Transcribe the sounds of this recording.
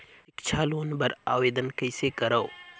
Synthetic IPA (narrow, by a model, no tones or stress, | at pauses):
ɪkt͡ʃʰaːloːnbɐɾa̰ːʋeːd̪ənkɐɪsekɐɾɐo